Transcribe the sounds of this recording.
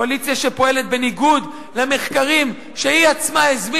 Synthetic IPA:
alit͡sijaʃepo̞e̞le̞t̪̚be̞niɡud̪ | lame̞χkaʁim | ʃeiat͡smaezmi

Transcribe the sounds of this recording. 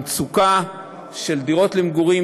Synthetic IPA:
t͡suka | ʃeldiʁo̞tlemɡuʁi

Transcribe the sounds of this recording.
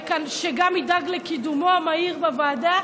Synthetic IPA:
kanʃeɡamid̪aɡlekid̪umoamaiʁbavaːda

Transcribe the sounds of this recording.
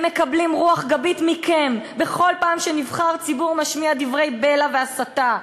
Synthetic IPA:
me̞kablimʁuaχɡabit̪mikʰembe̞χo̞lpaːmʃenivχaʁt͡sibuʁmaʃmiad̪ivʁe̞jbe̞laveasat̪a

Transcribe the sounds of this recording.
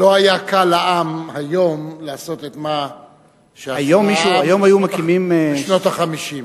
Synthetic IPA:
loajakalaʔamhajomlaːso̞t̪et̪ma | ʃeaajomːiʃajo̞majumakimimʃnot̪aχamiʃim

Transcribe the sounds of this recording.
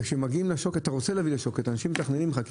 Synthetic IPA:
kʃemaɡiimleʃokat̪aʁot͡seleavileʃo̞ket̪anaʃimet̪aχnenimχak

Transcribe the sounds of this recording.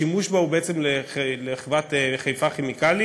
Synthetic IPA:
imuʃbaubeet͡semleeleχvat̪eχajfaχemikali

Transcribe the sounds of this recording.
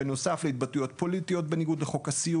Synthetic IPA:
eno̞safleit̚batujo̞t̚po̞litijo̞t̚be̞niɡud̪eχo̞kasiu

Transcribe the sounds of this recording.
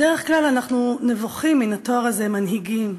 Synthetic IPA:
deʁeχklalanaχnunevoχiminatoaʁaze̞manɦiɡim

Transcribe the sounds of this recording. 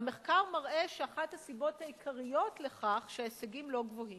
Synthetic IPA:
me̞χkaʁmaʁʔe̞ʃeaχathasibo̞thaikʰaʁijo̞tle̞χaχʃeaeseɡimloɡvo̞him

